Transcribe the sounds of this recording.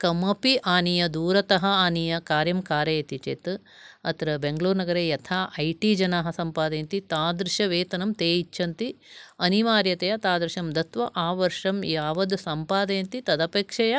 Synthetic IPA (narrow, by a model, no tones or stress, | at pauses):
kɐmɐpiʔaːnijɐd̪uːɾɐt̪ɐɦɐaːnijɐkaːɾjɐmkaːɾjɐjɐt̪it͡ʃeːt̪ | ɐ̰t̪ɾɐbeŋɡɐluːɾnɐɡɐɾeːjɐt̪ʰaːʔɐjʈiːd͡ʒɐnaːɦɐ̆sɐmpaːd̪ɐjɐnt̪it̪aːd̪ɾɪʃɐʋeːt̪ɐnɐmt̪eːit͡ʃːʰɐnt̪iɐniʋaːɾjɐt̪ɐjɐt̪aːd̪ɾɪʃɐmd̪ɐt̪ʋɐʔaːʋɐɾʂɐmjaːʋɐd̪sɐmpaːd̪ɐjɐnt̪it̪ɐd̪ɐpeːkʂɐjɐ